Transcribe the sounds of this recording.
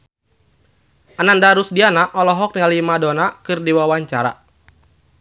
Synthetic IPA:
ʔanandaɾusdianaʔɔlɔɦɔk̚ɲalimadɔnakɨrdiwawaɲt͡ʃaɾa̰

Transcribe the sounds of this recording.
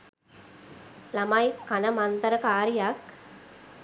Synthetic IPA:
lɐmajkːɐnɐmɐnt̪ɐɾɐkaːɾijak

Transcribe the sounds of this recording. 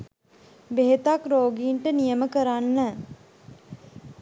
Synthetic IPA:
beɦet̪akɾoːɡiːɳʈənijəməkəɾanːə

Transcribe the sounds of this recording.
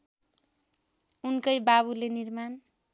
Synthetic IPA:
unkʌjbaβulenirman

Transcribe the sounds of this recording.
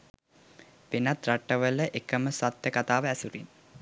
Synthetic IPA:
pinat̪raʈːəʋələʔekəməsʋat̪jəkat̪aːʋəæsuɾin

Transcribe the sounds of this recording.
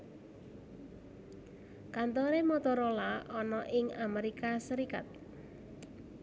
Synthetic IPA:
kant̪oɾemɔt̪ɔɾolaʔɔnɔʔɪŋameɾikasəɾika̰t̪̚

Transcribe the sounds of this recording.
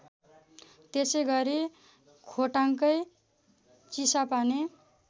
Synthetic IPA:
t̪esʌjɡʌɾi | kʰoʈaŋkʌj | t͡sisapane

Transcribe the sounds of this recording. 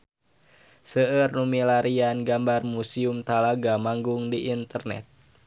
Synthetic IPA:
səərnumilaɾianɡambarmusiumt̪alaɡamaŋɡuŋdiʔint̪ərnɛ̰t̪̚

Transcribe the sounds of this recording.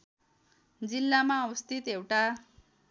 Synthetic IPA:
d͡zilːamaʌwʌst̪ʰit̪ewʈa

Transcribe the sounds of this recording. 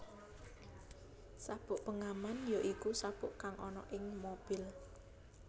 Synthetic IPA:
sab̥ʊʔpəŋamanjoʔikusab̥ʊʔkaŋʔɔnɔ̰ʔɪŋmob̥ɪl

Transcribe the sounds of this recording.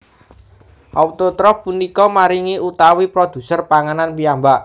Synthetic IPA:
ʔaut̪ot̪ɾɔfpunikɔmaɾiŋiʔut̪awipɾod̪̥ṳsərpaŋananpiambaʔ

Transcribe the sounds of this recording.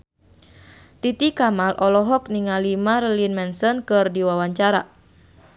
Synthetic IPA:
t̪it̪ikamalʔɔlɔɦɔk̚niŋalimarəlinmɛnsənkɨrdiwawaɲt͡ʃaɾa

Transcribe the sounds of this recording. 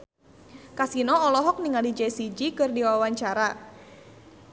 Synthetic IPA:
kasinɔɔlɔɦɔk̚niŋalid͡ʒɛsid͡ʒikɨrdiwawaɲt͡ʃaɾa

